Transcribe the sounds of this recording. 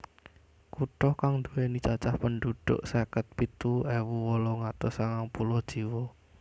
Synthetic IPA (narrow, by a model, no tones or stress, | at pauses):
kuʈɔhkaŋnd̪uwenit͡ʃat͡ʃahpənɖuɖ̪̥ʊ̰ʔsakət̪̚pit̪uewuwɔlɔŋat̪ɔsaŋaŋpulɔhd̥ʒ̥i̤wɔ